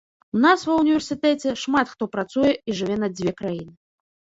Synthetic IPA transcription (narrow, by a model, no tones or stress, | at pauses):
unasvɐwnʲivʲɛrsʲɨt̪ɛt͡sʲɛʂmat̪xt̪ɔpɾat̪sujɛiʐɨvʲɛnɐd͡zʲvʲɛkɾajinɨ